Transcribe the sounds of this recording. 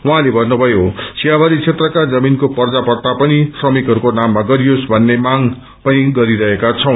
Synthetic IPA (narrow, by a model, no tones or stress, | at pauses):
wʌɦãlebʱʌnːubʱʌjosʰijabaɾit͡sʰet̪rʌkad͡zʌminkopʌrd͡zapʌrt̪apʌnisrʌmikɦʌɾukonamːaɡʌɾijosbʱʌnːemaŋ | pʌniɡʌɾiɾʌɦekat͡sʰʌw̃